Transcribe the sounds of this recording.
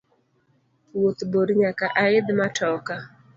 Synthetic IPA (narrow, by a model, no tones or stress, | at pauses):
wot̪boɾɲakaʔaɪd̪matɔka